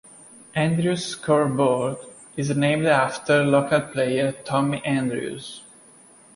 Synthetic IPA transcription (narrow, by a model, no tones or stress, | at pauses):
ʔæ̃ndɹuskʰɔɹbɔɹd | ɪznẽmdaft̪əlokalpʰlejəɹtʰɔmiʔæ̃ndɹṵz